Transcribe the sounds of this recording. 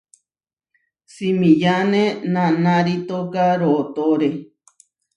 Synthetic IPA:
simĩjanẽnãnãɾit̪okaɾoʔt̪oɾe

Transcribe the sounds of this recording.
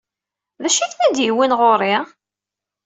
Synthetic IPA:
ðæʃiθnæd̪jiwinʁoɾˤi

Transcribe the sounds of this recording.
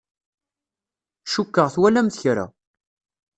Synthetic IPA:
ʃukːəʁθwælæmθçɾa̰

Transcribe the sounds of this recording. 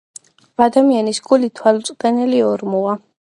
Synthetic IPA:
ad̪amianisɡulit̪ʰwalt̪sʼqʼɛnɛliɔɾmua

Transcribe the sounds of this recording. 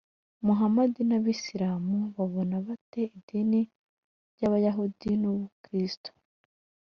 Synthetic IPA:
muɦamadinaβisiɾaːmuβaβo̞naβate̞idini | ɾɟaβajaɦudinuβukɾisto̥

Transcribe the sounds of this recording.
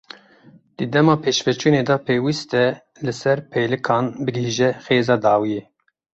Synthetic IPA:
d̪̥ɨd̪ɛmɑːpʰeːʃvɛt͡ʃuːneːd̪ɑpʰeːwist̪ɛ | lɨsɛɾpʰeːlɨkʰɑːnbɨɡɦiːʒɛxeːzɑːd̪ɑːwijeː

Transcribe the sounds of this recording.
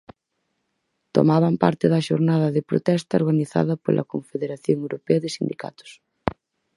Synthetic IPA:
t̪o̰maβɐmpa̰ɾt̪ɪðɐʃoɾnaðɐðepɾo̰t̪ɛst̪ɐoɾɣaniθa̰ðɐpo̰lʔɐ̰koɱfeðeɾaθjoŋewɾopeɐðɪsind̪ika̰t̪ʊ̥s

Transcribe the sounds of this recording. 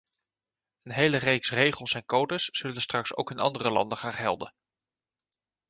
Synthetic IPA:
ənɦejlərejksrejχəlˠsɛnkowdəsːɵlənstrɑkso̰wkɪnɑ̰ndərəlɑ̰ndəχaːnχɛ̰lˠdə̰n

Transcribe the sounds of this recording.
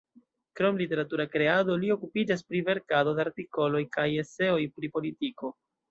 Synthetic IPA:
kɾo̞mlite̞ɾatuɾakɾe̞ado̞lio̞kupid͡ʒas̬pɾive̞ɾkado̞deaɾtiko̞lo̞jkaje̞se̞o̞jpɾipo̞litiko̞

